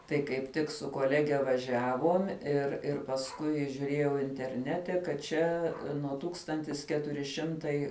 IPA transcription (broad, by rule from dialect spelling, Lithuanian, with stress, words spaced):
tɐɪ kɐɪp ˈtʲɪk sʊ koːˈlʲæːɡʲɛ ʋɐˈʒʲæːʋoːm ɪr ˈɪr pɐsˈkʊɪ ʒʲʊˈrʲeːjɛʊ ɪnʲtʲɛrʲˈnʲæːtʲɛ kɐt ˈt͡ʃʲɛ nuɔ ˈtuːkstɐnʲtʲɪs ˈkʲæːtʊrʲɪ ˈʃʲɪmtɐɪ